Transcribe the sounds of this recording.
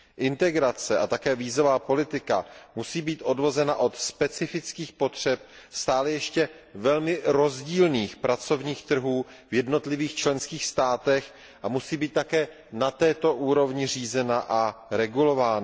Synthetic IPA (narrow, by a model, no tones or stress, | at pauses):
ʔɪnt̪ɛɡɾat͡sɛʔat̪akɛːviːzo̞vaːpo̞lɪt̪ɪkamusiːbiːt̪ʔo̞dvo̞zɛnaʔo̞t̪spɛt͡sɪfɪt͡skiːxpo̞t̪r̝̥ɛp̚ | st̪aːlɛjɛʃcɛ | vɛlmɪɾo̞zɟiːlniːxpɾʔat͡so̞vɲiːxt̪r̩ɦuː | vjɛdno̞t̪lɪviːxt͡ʃlɛnskiːxst̪aːt̪ɛx | ʔamusiːbiːt̪tːakɛː | nat̪ɛːt̪o̞ʔuːɾo̞vɲɪr̝iːzɛnaʔaɾɛɡulo̞vaːn